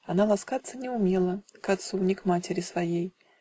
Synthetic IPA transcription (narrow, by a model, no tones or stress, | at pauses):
analˠaskat̪sːənʲɪʊmʲelˠəkat̪sunʲɪkmatʲɪɾʲɪsvajej